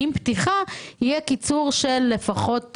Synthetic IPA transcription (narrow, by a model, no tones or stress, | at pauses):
imptiχahijekit͡suʁʃelːe̞faχo̞t